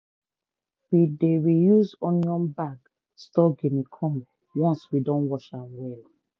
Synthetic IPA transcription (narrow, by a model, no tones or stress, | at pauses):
wideɹijuzɔ̃njɔ̃mbaɡ | stɔɡemikʰɔm | wɔ̃nswidɔ̃nwɔʃãmwɛl